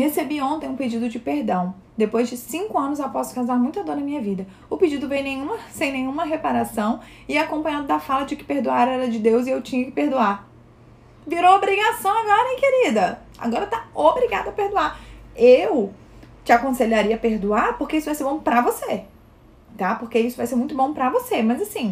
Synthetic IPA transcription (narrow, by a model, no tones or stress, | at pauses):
hesebiõnt̪ẽj̃ũped͡ʒid̪ʊd͡ʒɪpeɾd̪ɐ̃w̃ | d̪epojzd͡ʒɪsĩŋkʊɐ̃nʊzawpɔsʊ̥kawzaɾmũj̃t̪ɐd̪oɾnɐmĩɲɐvid̪ɐ | ʊped͡ʒid̪ʊvejnẽjɲ̃ũmɐsẽj̃nẽj̃ũmɐɦepaɾasɐ̃w̃ | ɪakõpɐ̃ɲ̃ɐ̃d̪ʊd̪ɐfalɐd͡ʒɪkɪ̥peɾd̪uaɾɛɾɐd͡ʒɪd̪ewzɪewt͡ʃĩɲɐkɪ̥peɾd̪uaɾ | viɾoobɾiɡasɐ̃w̃aɡɔɾɐkeɾid̪ɐ | a̰ɡɔɾɐt̪aobɾiɡad̪ʊɐpeɾd̪uaɾew | t͡ʃɪakõseʎaɾiɐpeɾd̪uaɾpoɾkeisʊvajseɾbõw̃pɾɐvose | t̪apoɾkeisʊvajseɾmũj̃t̪ʊbõpɾɐvosemɐzasĩ